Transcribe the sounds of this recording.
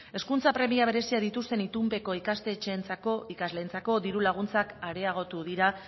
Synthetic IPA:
e̞skunt͡sapɾe̞miaβ̞e̞ɾe̞siaðit̪ust̪e̞nit̪umpe̞ko̞ikast̪e̞ːt͡ʃeːnt͡sakoikazle̞ːnt͡sako̞ðiɾulaɣ̞unt͡sakaɾe̞aɣ̞o̞t̪uðiɾa

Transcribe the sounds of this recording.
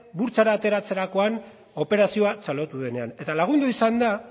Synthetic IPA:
buɾt͡saɾaːt̪e̞ɾat͡se̞ɾako̞an | o̞pe̞ɾasio̞at͡salo̞t̪uðe̞ne̞ane̞t̪alaɣ̞und̪uisand̪a

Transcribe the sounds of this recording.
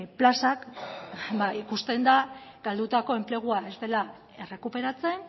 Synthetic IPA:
plasak | baikust̪e̞nd̪aɡ̥ald̪ut̪ako̞e̞mple̞ɣ̞uae̞zt̪e̞la | e̞re̞kupe̞ɾat͡se̞n

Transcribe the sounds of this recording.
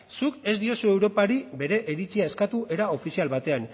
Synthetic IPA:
suke̞zd̪io̞sue̞wɾo̞paɾibe̞ɾe̞ʔeɾit͡siae̞skat̪uʔe̞ɾao̞fisialβat̪e̞an

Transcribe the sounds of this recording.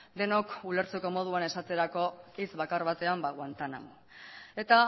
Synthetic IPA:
d̪e̞nokule̞ɾt͡se̞ko̞mo̞ð̞uane̞sat̪e̞ɾako̞it͡sβakaɾβat̪e̞ambaɣwant̪ana̰mo | e̞t̪a

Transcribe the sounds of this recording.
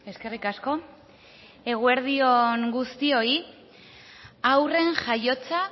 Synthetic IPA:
e̞ske̞rikasko̞ | e̞ɣ̞ue̞ɾð̞io̞ŋɡust̪io̞i | awre̞ŋʝajo̞t͡sa

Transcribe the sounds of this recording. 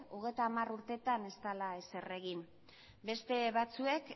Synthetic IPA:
oɣ̞e̞jt̪aːmaruɾt̪e̞t̪ane̞st̪alaese̞re̞ɣim | be̞st̪e̞βat͡sue̞k

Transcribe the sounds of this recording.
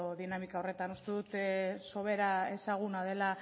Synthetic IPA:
oðinamikaore̞t̪anost̪eðut̪eso̞βe̞ɾae̞saɣ̞unaðe̞la

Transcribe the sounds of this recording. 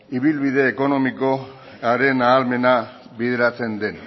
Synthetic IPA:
iβilβiðe̞ːko̞no̞miko̞ | aɾe̞naːlme̞na | βiðeɾat͡se̞nd̪e̞n

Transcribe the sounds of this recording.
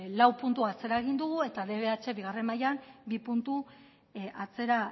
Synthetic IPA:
lawpunt̪uat͡se̞ɾaeɣ̞ind̪uɣue̞t̪aðe̞βe̞at͡ʃe̞βiɣ̞are̞nmajambipunt̪u | at͡se̞ɾa

